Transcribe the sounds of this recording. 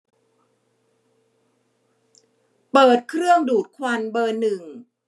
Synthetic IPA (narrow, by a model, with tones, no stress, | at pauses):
pɤː˨˩t̪̚kʰɾɯ˥˩əŋduː˨˩t̪̚kʰwa˧nbɤː˧nːɯ˨˩ŋ